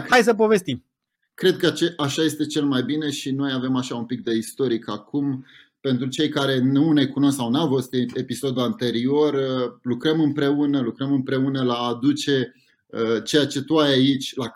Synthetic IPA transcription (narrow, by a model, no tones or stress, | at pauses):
ajs̬əp̬o̞ve̞st̪im | kɾe̞d̪̚kət͡ʃeʔaʃaje̞st̪e̞t͡ʃe̞lmajbine̞ʃino̞jave̞maʃaumpik̚d̪e̞ist̪o̞ɾikakum | pe̞nt̪ɾut͡ʃe̞jkaɾe̞nune̞kuno̞sksawnawfost̪e̞piso̞d̪uant̪e̞ɾio̞rəlukɾəmɨmpɾe̞unəlukɾəmɨmpɾe̞unəlaːd̪ut͡ʃe̞ | ət͡ʃe̞jat͡ʃe̞t̪uajait͡ʃʲla